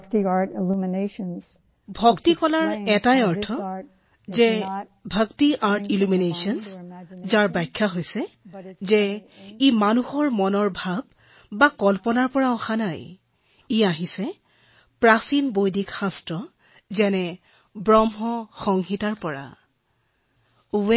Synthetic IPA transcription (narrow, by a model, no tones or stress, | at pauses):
ktiaɹɾɪluməneʃə̃nz | bʱɔktikɔlaɹɛtajɔɹtʰɔ | zɛ | bʱəktiʔaɹtiluminesɔnszaɹbajkʰːaɦojsɛzɛimanuhɔɹmɔnɔɹbʱab̚ː | akɔlpɔnaɹpɔɹaɔxanaj | iaɦisɛ | pɹasinbojdʱikxãstɹɔ | zɛnɛ | bɹɔmɦɔxɔŋɦitaɹpɔɹa̰ | uwɛ